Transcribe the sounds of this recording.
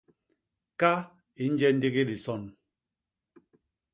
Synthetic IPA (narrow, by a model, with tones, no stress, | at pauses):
ka˦ | i˨n̩˦d͡ʒɛ˦n̩˦di˦ɣi˦di˨sɔ˦˨n